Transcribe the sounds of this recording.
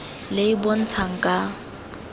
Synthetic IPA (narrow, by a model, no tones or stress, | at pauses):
lɪibon̩t͡sʰaŋ̩kʼa